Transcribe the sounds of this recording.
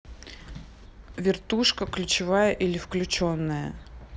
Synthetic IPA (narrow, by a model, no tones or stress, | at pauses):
vʲɪrt̪uʂkəklʲʉt͡ɕɪvajəʔilʲɪfklʲʉt͡ɕonːəjə̰